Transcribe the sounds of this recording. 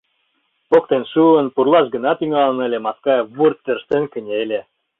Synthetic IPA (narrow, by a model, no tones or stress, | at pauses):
pok̚t̪enʃuənpurlˠɑʃɡə̆nɑt̪yŋɑlə̆nə̆lʲĕmɑskɑjβurt̪ːĕrʃt̪enkə̆nʲelʲe